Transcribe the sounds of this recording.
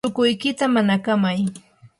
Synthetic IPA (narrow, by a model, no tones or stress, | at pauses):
ʊkʊjkɪt̪amanakamaj